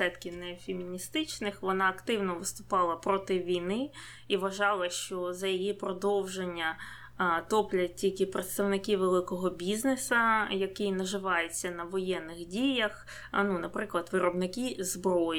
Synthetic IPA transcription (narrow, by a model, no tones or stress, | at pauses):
ɛt̪kʲɪnɛfʲemʲːinʲist̪ɪt͡ʃnɪxʋɔnɑːkt̪ɪwnɔʋɪst̪ʊ̥pɑlˠɐpɾɔt̪ɪʋʲijnɪ | iʋɐʒɑlˠɐʃt͡ʃɔzɐjijipɾɔd̪ɔwʒenʲːɐ | t̪ɔplʲɐt̚ʲtʲilʲkɪpɾet̪st̪ɐwnɪkiʋelˠɪkɔɦɔbʲiznesɐjɐkɪjnɐʒɪʋɑjet͡sʲːɐnɐʋɔjɛnːɪxdʲijɐx | nunɐpɾɪklˠɐd̪ʋɪɾɔbnɪkizbɾɔj